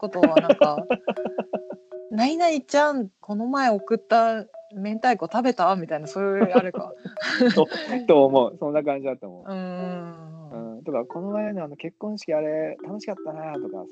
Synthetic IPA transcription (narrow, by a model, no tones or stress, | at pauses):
ko̞t̪oβanãŋka | nainait͡ɕãŋko̞no̞mae̞o̞kɯ̟t̪ːamẽ̞nt̪aikɯ̟ot̪abe̞t̪amʲit̪ainasoːaaɾɯ̟ka̰ | ot̪oːmo̞ɯsõ̞nːakãɲd͡ʑid̪at̪ːo̰mo̰ɯ̟̃ːɯ̃ɯ̟̃ːt̪okako̞no̞maeneanoke̞kːõɰ̃ɕi̥kʲiaɾe̞t̪ano̞ɕi̥kat̪ːanajat̪o̞ka̰